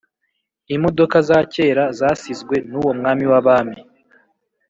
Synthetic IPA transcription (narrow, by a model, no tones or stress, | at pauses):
imo̞do̞kazaːce̞ːɾazaːsizɡwe̞nuwo̞mŋaːmiwaβaːmi